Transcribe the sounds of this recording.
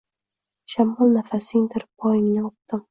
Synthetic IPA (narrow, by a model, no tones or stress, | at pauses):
ʃamɒlˠnafasɪŋd̪ɪɾbɒjɪŋnɪʊq̚t̪ɪm